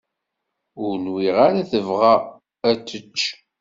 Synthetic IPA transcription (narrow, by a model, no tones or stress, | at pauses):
ʊɾnwiʁaɾaθəvʁa | æt͡sːət͡ʃː